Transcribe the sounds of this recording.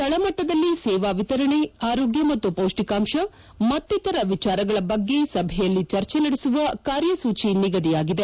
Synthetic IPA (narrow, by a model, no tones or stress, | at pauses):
t̪ɐɭɐmɐʈːɐd̪ɐlːisɛːʋaːʋit̪ɐɾɐɳeaːɾoːɡjɐmɐt̪ːupɐwʂʈikaːmʃɐ | mɐt̪ːit̪ɐɾɐʋit͡ʃaːɾɐɡɐɭɐbɐɡːe̞sɐbʱɛjɐlːit͡ʃɐɾt͡ʃenɐɽesuʋɐkaːɾjɐsuːt͡ʃiniɡɐd̪ijaːɡid̪e̞